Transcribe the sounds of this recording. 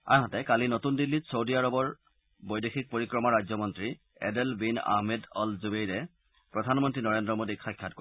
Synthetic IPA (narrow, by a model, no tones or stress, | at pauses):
a̰ɦɔtɛkalinotundilːitsowdijaɹɔbɔɹ | bɔjdexʰik̚poɹikɹɔmɔɹazɔmɔntɹi | ɛ̰dɛlbina̰ɦmedɔlzubejɹɛ | pɹɔdʱanmɔntɹinɔɹendɹɔmodiajkʰːat̚ko